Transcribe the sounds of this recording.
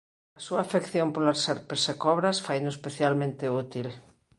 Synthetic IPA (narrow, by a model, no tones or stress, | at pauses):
ɐsuaːfekθjompolaseɾpeɾsekɔβɾasfajnoespeθjalmẽnt̪eut̪il